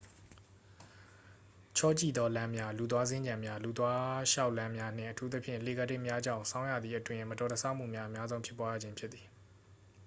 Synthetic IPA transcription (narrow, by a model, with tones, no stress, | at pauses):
t͡ɕʰɔ˦˨t͡ɕḭ˦˨d̪ɔ˦lã˦mja˦lu˨t̪̬wa˦zɪ̃˦ɲd͡ʑã˨mja˦lu˨t̪wa˦ʃa˦ʊʔlã˦mja˦n̥ɪ̰̃˦˨ʔətʰu˦t̪ə˦pʰjɪ̃˦˨le˨ɡə˨dɪ˦ʔmja˦d͡ʑã̰˦˨ʊ̃sʰã˦ʊ̃jä̰˦˨d̪ði˨ʔətwɪ̃˦˨mətɔ˨tə˨sʰã˦˨ʔm̥ṵ˦˨mja˦ʔəmja˦zõ˦ʊ̃mpʰɪ˦pːwa˦ja̰˦˨d͡ʑɪ̃˦mpʰjɪ˦t̪t̪θi̥˨